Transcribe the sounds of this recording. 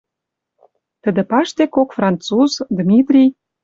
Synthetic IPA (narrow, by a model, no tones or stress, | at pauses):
t̪ə̆d̪ə̆pɑʃt̪ekokfrɑnt̪t͡suzd̪mʲit̪rʲij